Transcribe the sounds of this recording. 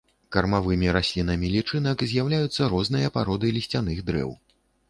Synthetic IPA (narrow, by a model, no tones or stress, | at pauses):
kɐrmavɨmʲiɾasʲlʲin̪ɐmʲilʲit͡ʂɨnɐkzʲjawlʲajut̪sːɐɾɔznɨjɐpaɾɔd̪ɨlʲisʲt͡sʲanɨɣd̪ɾɛ̰w